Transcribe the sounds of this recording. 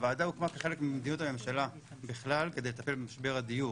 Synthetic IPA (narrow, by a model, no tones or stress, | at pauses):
vaːd̪aukmakeχe̞lekmimed̪ino̞tame̞mʃala | biχlalke̞dejlet̪ape̞lbemaʃbe̞ʁad̪iju